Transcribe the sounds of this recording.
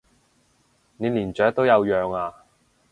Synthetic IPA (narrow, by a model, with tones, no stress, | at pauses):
ne˨˧jliː˨˩nt͡ʃœː˨˥k̚t̪o˥wjɐ˨˧wjœː˨ŋaː˧